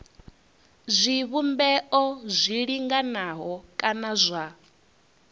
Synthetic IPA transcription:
zʷiβumbɛʔɔzʷiɺiŋɡanaɦɔkʼanazʷa

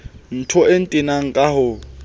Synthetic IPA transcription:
n̩tʰɔen̩tʼɪnaŋ̩kʼaɦʊ

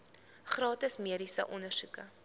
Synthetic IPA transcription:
χrɑːtəsmiəɾisə̰ʔɔnərsukə̰

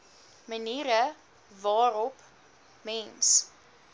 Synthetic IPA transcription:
məniːɾə | vɑːɾɔp | mɛns

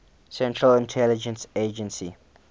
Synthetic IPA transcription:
sɛ̃ntʰɹəlɪ̃ntʰɛlɪd͡ʒə̃nsed͡ʒə̃nsi

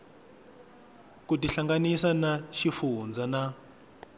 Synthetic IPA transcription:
kutiɬaŋɡanisanaʃifund͡zana

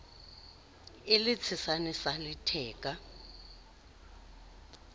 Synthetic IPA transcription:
ɪlɪt͡sʰɪsanɪsalɪtʰɛːkʼa

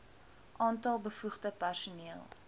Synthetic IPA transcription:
ʔɑːntɐlˠbəfuχdəpærsuniəlˠ

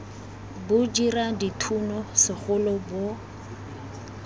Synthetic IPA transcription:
bʊd͡ʒiraditʰunɔsɪχʊlɔbo

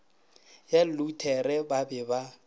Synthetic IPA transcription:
jalutʰɛrɛbabɪba

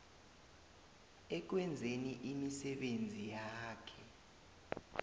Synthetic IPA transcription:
ɛk̬wɛnd͡zʱeniʔimisɛɓend͡zʱijaːkʰɛ

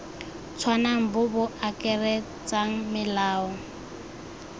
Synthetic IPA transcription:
t͡sʰwanaŋ̩bʊbʊakʼɛrɛ | t͡saŋ̩mɪlaːɔ

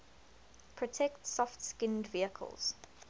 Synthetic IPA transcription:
pʰɹ̥ɔtʰɛktsɔftskɪ̃ndviəkʰə̰lˠz̥

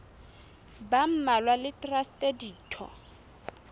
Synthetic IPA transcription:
bam̩malwalɪtrastʼediːtʰɔ̰

